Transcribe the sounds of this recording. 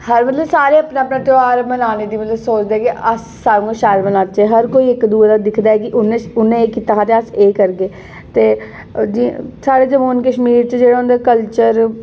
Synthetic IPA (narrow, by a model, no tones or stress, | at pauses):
həɾmət̪ləbsaːɾeːəpnaːəpnaːʈ̪ɪaːɾmənaːneːd̪iːmət̪ləbsoːt͡ʃd̪eɛːkiʔəsːaːɾ̃ʃaːɾmənaːt͡ʃɛɦəɾkoːiːɪkd̪uːd̪aːd̪ɪkʰd̪aːɛːkɪʔʊnẽʊnẽːkit̪aɦaːt̪eəseːkəɾɡeː | t̪eː | d͡ʒisaːɾeːd͡ʒəmoːnkəʃmiːɾt͡ʃed͡ʒeːɽaɦnd̪eːkəlt͡ʃəɾ